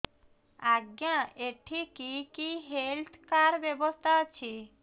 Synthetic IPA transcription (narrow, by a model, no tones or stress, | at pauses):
aɡjãeʈʰikikiɦelt̪ʰkaɾbebost̪ʰaot͡ɕʰi